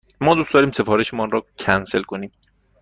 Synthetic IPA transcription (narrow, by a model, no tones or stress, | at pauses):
mɒːd̪ustd̪ɒːɾiːmse̞fɒːɾe̞ʃemɔnrɒːcʰænse̞lkʰo̞niːm